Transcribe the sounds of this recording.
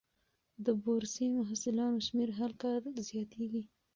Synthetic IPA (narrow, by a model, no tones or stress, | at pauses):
d̪əboɾsimʊɦasɪlɑnoʃmeɾɦalkɑɾzjɑt̪eɡi